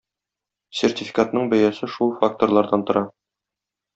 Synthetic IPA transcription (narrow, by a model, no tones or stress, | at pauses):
sʲertʲifʲi̥kat̪nɤɴbæjæsɘʃulˠfak̚t̪orlˠɑɾd̪ɑnt̪ŏɾʔɑ